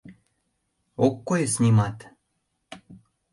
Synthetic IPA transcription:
okːojesnʲimɑt̪

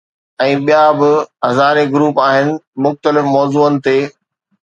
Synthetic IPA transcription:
ɛ̃ːɓijabɪɦɐzaːɾeɡʊɾuːpaːɦɪnɪ̆mʊxt̪əlɪfmɔːzuːənɪ̆t̪eː

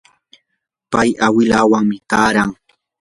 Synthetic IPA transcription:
pajawɪlaːwaŋmɪkaːɾaŋ

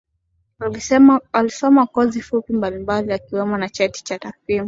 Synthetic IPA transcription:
alisɛalisɔmakɔzifupimbalimbaliakiwɛmɔnat͡ʃɛti̥t͡ʃatafimu

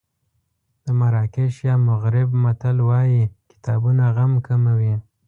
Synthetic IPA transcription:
d̪̥əmaɾɑkeʃjɑmʊɣɾɪbmat̪alwɑjikɪ̥t̪ɑbunaɣamkʰamawi

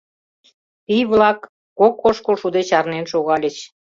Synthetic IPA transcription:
pijβlɑkː | okːoʃkolʃud̪et͡ɕɑrnenʃoɣɑlʲet͡ɕ

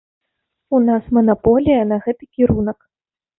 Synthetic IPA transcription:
unasmɐnapɔlʲijɐnɐɣɛt̪ɨkʲiɾunɐk

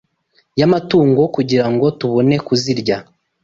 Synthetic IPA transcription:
jamatuːŋɡo̞kuɟiɾaŋɡo̞tuβo̞ne̞kuziɾɟa

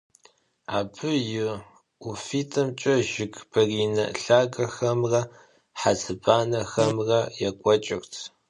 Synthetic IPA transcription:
aːbʰɨjɪ | ufiːtʰɐmt͡ʃʼɐʒɪkʰb̥ʰɐriːnɐɬaːɡɐxɐmrɐ | ħat͡sʰɨbaːnɐxɐmrɐjɛkʷʼɔt͡ʃʼɪrtʰ

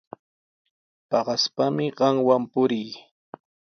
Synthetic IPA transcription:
pɑɢɑspamɪɢɑŋwampʊɾɪj

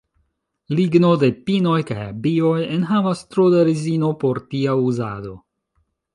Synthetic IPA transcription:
liɡno̞de̞pino̞jka̰ja̰bio̞jenɦavast̪ɾodaɾizino̞po̞ɾtiauza̰do̞

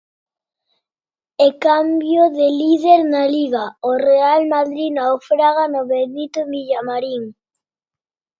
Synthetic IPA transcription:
ekambjoðeliðeɾnaliɣaorealmaðɾinaofɾaɣanoβenit̪omiʎamaɾiŋ

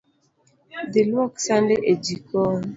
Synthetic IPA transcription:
delwɔksandeʔed͡ʒikɔn

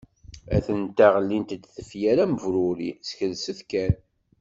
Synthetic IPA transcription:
æ̰θənt̪aʁəlːint̪d̪θəfjæɾæməvɾʊɾisçəlsəθkæn

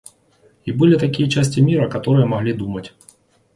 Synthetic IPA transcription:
ibɨlʲɪt̪ɐkʲijət͡ɕæsʲtʲɪmʲiɾəkɐt̪o̞ɾɨjəmɐɣlʲid̪umətʲ

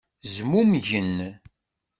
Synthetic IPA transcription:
zmumʝən

